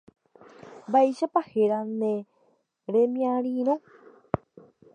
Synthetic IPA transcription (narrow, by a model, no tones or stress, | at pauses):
bajʃapaheɾanẽ | ɾemĩãɾiɾõ